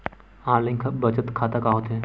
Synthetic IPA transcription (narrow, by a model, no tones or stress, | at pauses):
ãːlɪ̃ŋkʰbət͡ʃət̪kʰaːt̪akaːɦot̪ɛ̃